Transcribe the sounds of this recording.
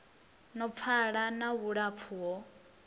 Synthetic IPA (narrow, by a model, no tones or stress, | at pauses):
nɔp̪fʰaɺanaβuɺap̪fʰuwɔ